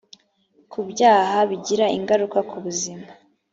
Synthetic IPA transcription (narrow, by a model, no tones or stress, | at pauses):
kʰubɟaːɦaβiɟiɾaḭŋɡaɾukakuβuzima